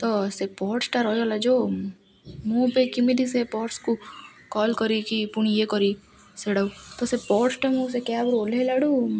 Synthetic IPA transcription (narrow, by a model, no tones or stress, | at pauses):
t̪ɔsepɔːʈsʈaɾɔɦijɔlad͡ʒoː | mũbekimid̪isepɔːʈsku | kɔːlkɔɾikipuɳ̃jekɔɾi | seɽaut̪ɔsepɔːʈsʈamũs̬ekabɾolelaɽu